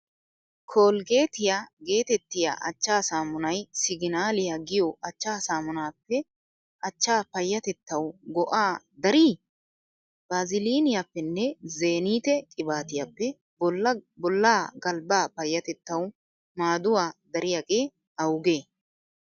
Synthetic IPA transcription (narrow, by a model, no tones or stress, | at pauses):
kʰoːlɡe̞ːt̪ɪjaɡe̞ːt̪ɛt̪ːɪja̰ʔɐ̰t͡ʃːaːsaːmʊnɐjsɪɡɪnaːlɪjaɡɪjɔʔɐt͡ʃːaːsaːmʊnaːpːɛ | ʔɐt͡ʃːaːpɐjːɐt̪ɛt̪ːɐwɡɔʔaː | d̪ɐɾiː | b̥aːzɪliːnɪjapːɛnːɛze̞ːniːt̪ɛkʼɪbaːt̪ɪjɐpːɛ | bɔlːaːɡɐlbaːpɐjːɐt̪ɛt̪ːɐw | maːd̪ʊwaːd̪ɐɾɪjaɡe̞ː | ɐwɡe̞ː